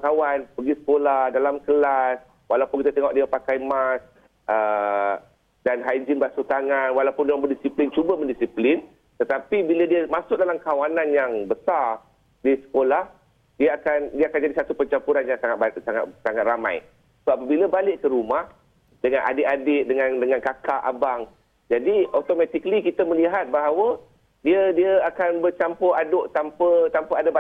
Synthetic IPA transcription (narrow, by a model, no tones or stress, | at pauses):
kawanpəɡisə̥kolahdalamkəlas | walapʊnkit̪at̪əŋɔʔ̚diapakajmas | ʔə | danɦad͡ʒɪnbasut̪aŋãnwalawpʊndaabəndisiplɪnt͡ʃubaməndisiplɪn | t̪ət̪apibilədiamãsʊk̚dalamkawanãnjaŋbəsar | disə̥kolah | diaakandiəakand͡ʒadisat̪upət͡ʃampuɾanjaŋsaŋat̪̚basaŋa̰t̪̚saŋat̪rʔama̰j | səbapəbiləbalɪʔkəɾumah | dəŋãnʔa̰dɪʔadɪʔdəŋandəŋankakaʔa̰baŋ | d͡ʒadiot̪omãt̪iklikit̪aməliɦat̪̚baɦawə | diədiəakanbərt͡ʃampʊradoʔt̪ampət̪ampəada